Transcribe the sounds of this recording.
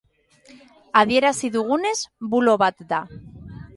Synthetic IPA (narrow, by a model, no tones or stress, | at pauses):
aðje̞ɾasiðuɣune̞zbuloβat̪d̪a